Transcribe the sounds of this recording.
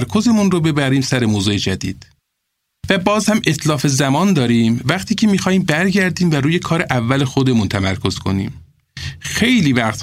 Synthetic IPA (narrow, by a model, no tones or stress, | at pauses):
ɾkʰo̞ze̞munɾobe̞bæɾiːmsæɾe̞moːzuːed͡ʒæd̪ḭːd̪̥ | væbɒːzhæme̞t̪lɒːfe̞zæmɒːnd̪ɒːɾiːmvæɣt̪ʰiːcʰe̞miːxɒːhiːmbæɾɟæɾd̪iːmvæɾuːje̞kʰɒːɾe̞ʔævːælexod̪e̞munt̪ʰæmæɾkʰo̞z̥kʰo̞̰nḭːm | xe̞jliːvæqt̪